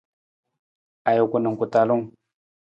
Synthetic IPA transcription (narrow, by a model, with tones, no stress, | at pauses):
a˨jo˨ku˨nə˨ŋ˨ku˨ta˨lu˦ŋ